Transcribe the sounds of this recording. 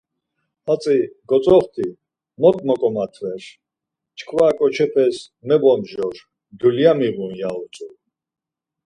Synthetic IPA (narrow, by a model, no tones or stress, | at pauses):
at͡sʼiɡ̥ɔt͡sʼɔχt̪ʰi | mɔkʼmɔkʼɔmat̪ʰvɛɾ | t͡ʃʰkʰvaːkʼɔt͡ʃʰɛpʰɛs | mɛbɔmʒɔɾ | d̪uljamiʁunjaut͡sʼu